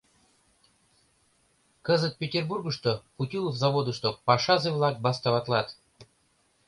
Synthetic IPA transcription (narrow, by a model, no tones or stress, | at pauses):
kəzət̪̚pʲɪtʲɪrburɡʊʂt̪oxʊtʲilˠvzɐvod̪ɨʂt̪opaʂazɨvlˠak̚bast̪avat̪lˠat̪